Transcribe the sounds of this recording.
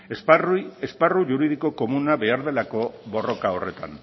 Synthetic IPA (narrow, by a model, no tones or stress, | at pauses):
sresparuʝuɾið̞iko̞ko̞munaβe̞aɾðe̞lako̞βo̞ro̞kao̞re̞t̪a̰n